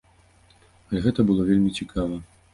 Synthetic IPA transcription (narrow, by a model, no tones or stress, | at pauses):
ɐlʲɛɣɛt̪ɐbɨlˠɔvʲelʲmʲit͡sʲikʰavɐ